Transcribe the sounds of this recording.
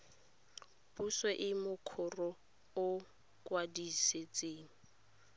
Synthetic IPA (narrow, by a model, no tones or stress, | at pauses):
puswɛʔɪmʊkʰʊrɔ | ʊ | kwadiset͡sʼeːŋ̩